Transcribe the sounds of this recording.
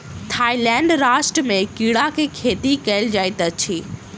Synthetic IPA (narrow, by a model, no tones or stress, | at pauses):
t̪ʰaːilɛ̃ːɳɖɾaːʃʈɾəmẽkiːɽakʰekʰeːt̪ikɐɪld͡ʒaːɪt̪ət͡ɕʰiː